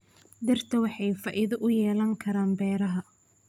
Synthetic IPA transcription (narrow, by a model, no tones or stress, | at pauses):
d̪ɐrt̪ʰɐwɑħɑjfɐːʔɪðɐʔʊjɛːlɐŋkʰɐɾaːmbɛːɾɐɦɐ